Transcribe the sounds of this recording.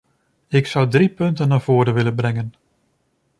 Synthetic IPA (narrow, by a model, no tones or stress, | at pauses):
ɪksʌwdripɵntənːaːv̥oːɾənʋɪlənbrɛŋən